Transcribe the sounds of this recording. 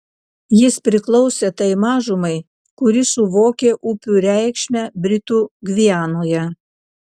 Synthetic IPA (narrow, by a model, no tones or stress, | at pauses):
jɪspʲɾʲɪklˠɔʊsʲeːt̪ɐɪmɑːʒʊmɐɪ | kʊɾʲɪsʊʋoːkʲeːʔʊpʲuːɾʲæˑɪkʃʲmʲæːbʲɾʲɪt̪uːɡʲʋʲiæːnoːjɛ